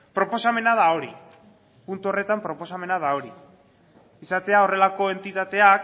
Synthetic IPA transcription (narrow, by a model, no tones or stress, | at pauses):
pɾo̞po̞same̞naðao̞ɾḭ | punt̪uo̞re̞t̪ampɾo̞po̞same̞naðao̞ɾi | isat̪e̞ao̞re̞lako̞e̞nt̪it̪at̪e̞ak